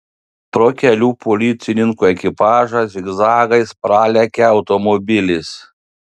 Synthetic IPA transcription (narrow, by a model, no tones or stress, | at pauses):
pɾoːkʲɛlʲuːpʰɔlʲiːt̪sʲɪnʲɪŋkuɛkʲɪpɑːʒɐsʲɪɡzɑːɡɐɪspɾɑːlʲɛkʲɛɐʊt̪ɔmɔbʲɪlʲɪs